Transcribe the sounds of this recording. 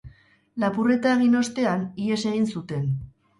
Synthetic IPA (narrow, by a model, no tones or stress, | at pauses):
lapure̞t̪aeɣ̞ino̞st̪e̞anie̞se̞ɣ̞insut̪e̞n